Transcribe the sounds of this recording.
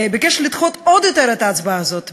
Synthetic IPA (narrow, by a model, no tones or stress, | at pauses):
bekɛʃʁlit̪χot̪od̪jot̪eʁɛt̪aːt͡sbaazot̪